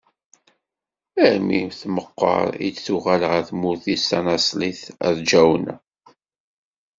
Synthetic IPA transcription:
æɾmimθməqːə̰ɾˤḭd̪θuʁælʁæθmʊθisænæsˤliθæ̰ðd͡ʒæwnæ̰

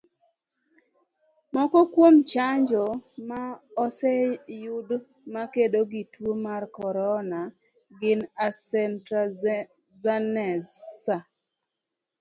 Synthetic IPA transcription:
mɔkɔkwomt͡ʃaɲd͡ʒɔmaɔsɛjʊd | makedoɡitwomarkɔɾɔna | ɡɪnasɛntɾa | zanɛza

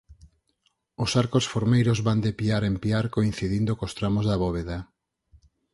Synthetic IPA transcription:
ʊsaɾkosfoɾmejɾozβand̪epiaɾempiaɾkoin̟θiðind̪okost̪ɾamozðɐβɔβeða

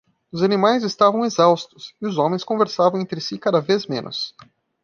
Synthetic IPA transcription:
ʊzanimajzɪst̪avɐ̃w̃ezawst̪ʊsɪʊzõmẽj̃skõveɾsavɐ̃w̃ẽnt̪ɾɪsikad̪ɐvezmḛ̃nʊ̰s

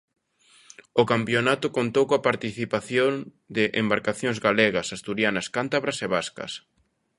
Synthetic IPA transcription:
okampjonat̪ʊkont̪owkoapaɾt̪iθipaθjon | d̪ɪʔembaɾkaθjoŋzɣaleɣɐsast̪uɾjanɐskant̪aβɾɐseβaskɐ̰s

